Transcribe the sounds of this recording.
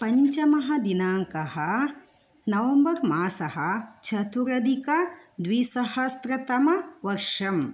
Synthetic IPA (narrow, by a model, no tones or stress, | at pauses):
pɐɲt͡ʃɐmɐɦɐd̪inaːŋkɐɦɐ | nɐʋɐmbɐɾmaːsɐɦɐt͡ʃʰɐt̪uɾɐd̪ikɐ | d̪ʋisɐhɐst̪ɾɐt̪ɐmɐʋɐɾʂɐm